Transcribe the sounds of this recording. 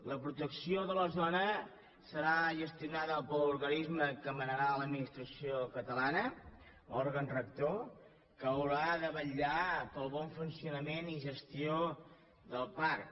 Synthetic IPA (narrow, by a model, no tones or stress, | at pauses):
ləpɾut̪əksioðələzɔnə | səɾaʒəst̪iunaðəːlpəluɾɣənizməkəmənəɾaləd̪̚minist̪ɾəsiokət̪əlanə | ɔɾɣənrək̚t̪o | kəːwɾaðəβəʎapəlˠβɔɱfunsiunəmeniʒəst̪io | ðəlˠpaɾk